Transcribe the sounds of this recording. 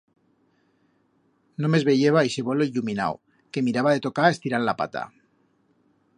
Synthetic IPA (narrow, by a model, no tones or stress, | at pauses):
nome̞zβe̞ʝeβaiseβoloiʎumina̰w̰ | ke̞miɾaβaðe̞t̪o̞kae̞st̪iɾallapa̰t̪a̰